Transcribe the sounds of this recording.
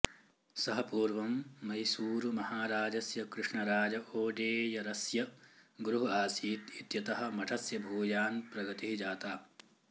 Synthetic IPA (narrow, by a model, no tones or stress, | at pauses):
sɐɦɐpuːɾʋɐmːɐjsuːɾumɐhaːɾaːd͡ʒɐsjɐkɾuʂɳɐɾaːd͡ʒɐʔoːɖeːjɐɾɐsjɐɡɾuɦuaːsiːt̪it̪jɐt̪ɐɦɐ̆mɐʈʰɐsjɐbʱuːjaːnpɾɐɡɐt̪iɦid͡ʒaːt̪aː